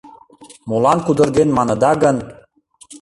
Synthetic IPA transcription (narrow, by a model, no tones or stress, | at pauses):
molɑnkud̪ɤ̆ɾd̪enmɑnɤ̆d̪ɑɡə̆n